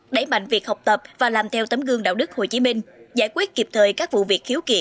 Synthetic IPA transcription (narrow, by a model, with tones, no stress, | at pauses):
ɗə˧˩jma̰˧˨jŋ̟vi˨˩ək̚ha˨˩wk͡p̚t̪ə˨˩p̚vaː˨˩laː˨˩mt̪ʰɛ˧wt̪ə˨˦mɣɨ˧əŋɗa̰ː˧˨wɗɨ˦˥k̚ho˨˩jt͡ɕi˨˦mï˧ŋ̟zaː˧˩jkwi˦˥ət̚ki˨˩p̚t̪ʰəː˨˩jkaː˦˥k̚vṵ˧˨vi˨˩ək̚xi˨˦wkḭ˧˩˨